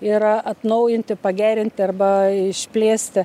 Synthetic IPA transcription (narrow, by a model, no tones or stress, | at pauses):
ɪɾɐt̪nɐʊjɪnʲt̪ʲɪpɐɡʲæːɾʲɪnʲt̪ʲɪɐrbɐɪʃʲpʲlʲeːsʲt̪ʲɪ